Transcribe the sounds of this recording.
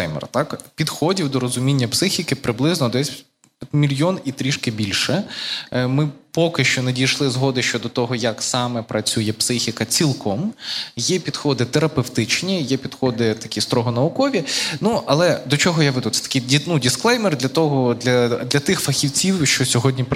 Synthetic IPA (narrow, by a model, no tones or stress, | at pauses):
ɛjmɛ̰rt̪ɑkpʲid̪xɔdʲiwd̪ɔɾɔzʊmʲinʲːɐpsɪxʲikɪpɾɪblˠɪznɔd̪ɛsʲ | mʲilʲjɔnit̪ɾʲiʃkɪbʲilʲʃɛ | mɪpɔkɪʃt͡ʃɔnedʲijʃlˠɪzɦɔd̪ɪʃt͡ʃɔd̪ɔt̪ɔɦɔjɐksɑmɛpɾɐt͡sʲujɛpsɪxʲɪkɐt͡sʲilˠkɔmjɛpʲid̪̥xɔd̪ɪt̪eɾɐpewt̪ɪt͡ʃnʲijɛpʲid̪xɔd̪ɪt̪ɐ̥kʲist̪ɾɔɦɔnɐʊkɔʋʲinuʔɐlˠɛd̪ɔt͡ʃɔɦɔjaʋɪd̪ujt̪ɛ̥t̪ɐ̥kɪjdʲnudʲɪsklˠɛjmɛrd̪lʲɐt̪ɔɦɔd̪lʲɐd̪lʲɐt̪ɪxfɐxʲiwt͡sʲiwʃt͡ʃɔsʲɔɦɔdʲnʲip